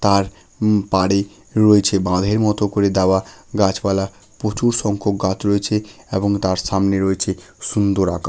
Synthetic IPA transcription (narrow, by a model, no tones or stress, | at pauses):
t̪aɾ | paɽe | ɾoet͡ɕʰebãd̪ʱeɾmɔt̪okoɾed̪ɛoaɡat͡ɕbala | pot͡ɕuɾʃɔŋkʰok̚ɡat͡ɕɾoet͡ɕʰeeboŋt̪aɾʃamneɾoet͡ɕʰeʃund̪oɾaka